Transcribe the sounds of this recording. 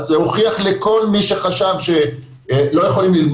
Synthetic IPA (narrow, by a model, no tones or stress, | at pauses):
zehoχiaχleko̞lmiʃeχaʃavʃe | lo̞jeχolimlilm